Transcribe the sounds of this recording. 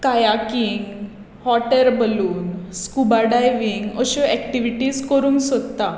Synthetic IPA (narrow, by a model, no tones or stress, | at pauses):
kajakiŋɡ | hɔʈəɾbəluːnskubaɖajʋiŋɡəɕuɛkʈiʋiʈiːzkəɾuːnsəd̪t̪a